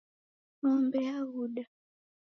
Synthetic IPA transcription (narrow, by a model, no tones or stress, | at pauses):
mɔmbɛaɣuɗa